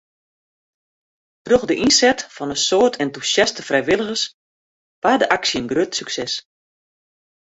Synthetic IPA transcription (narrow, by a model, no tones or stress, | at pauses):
trøxdəʔinsɛtfɔnəsoərtʰɛntusjastəfrɛjʋɪlˠəɣəs | ʋadəʔaksjənɡrøtsyksɛs